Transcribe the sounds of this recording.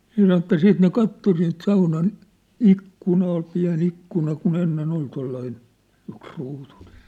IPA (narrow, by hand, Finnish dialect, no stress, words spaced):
se sɑn ĕtˑæ siːt ne kɑtːo siːnt sɑunɑn ikːunɑ ol piæ̝n ikːunɑ kun enːen ol tolːɑin yksruːtun̥e̥